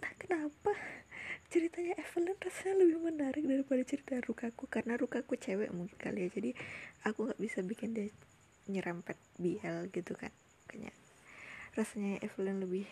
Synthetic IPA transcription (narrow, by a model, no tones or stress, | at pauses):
nahkənapa | t͡ʃəɾit̪aɲaʔɛfəlɛnrasaɲaləbɪhmənaɾɪk̚daɾipadat͡ʃəɾit̪arukakukaɾənaɾukakut͡ʃewɛ̰ʔmuŋkɪ̥nka̰liad͡ʒadiakuŋɡaʔbisabikɪndia | ɲəɾʔampɛt̪̚biɛlɡit̪uka̰n | kaɲa̰ | rasaɲaʔɛfəlɛnləbɪh